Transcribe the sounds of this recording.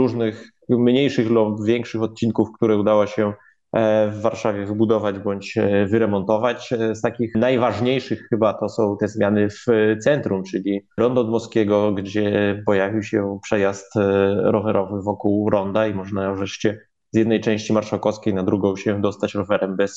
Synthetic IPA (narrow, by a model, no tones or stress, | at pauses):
ɾuʐnɘx | mɲejʂɘɣllɔvʲjɛŋkʂɘxɔt̪̚t͡ɕinkufkt̪uɾɛud̪awɔɕɛ | vːaɾʂavʲjɛvɘbud̪ɔvad͡ʑbɔɲt͡ɕvɘɾɛmɔnt̪ɔvat͡ɕst̪akʲixnajvaʐɲejʂɘxxɘbat̪ɔsɔ̃w̃t̪ɛzmʲjanɘft̪sɛnt̪ɾumt͡ʂɘlʲiɾɔnd̪ɔd̪mɔskʲɛɡɔɡd͡ʑɛpɔjavʲiwɕɛpʂɛjast̪ɾɔvɛɾʔɔvɘvɔkuwɾɔnd̪aimɔʐnavɾɛʂt͡ɕɛ | z̥jɛd̪nɛjt͡ʂɛ̃w̃ɕt͡ɕimaɾʂakɔskʲejnad̪ɾuɡɔ̃w̃ɕɛd̪ɔst̪at͡ɕɾɔvɛɾɛmbɛs